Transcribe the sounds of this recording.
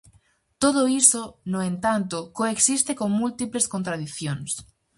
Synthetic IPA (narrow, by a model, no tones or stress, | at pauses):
t̪oðoisonoẽnt̪ant̪okoeksist̪ekoŋmult̪ipleskõnt̪ɾaðiθjoŋs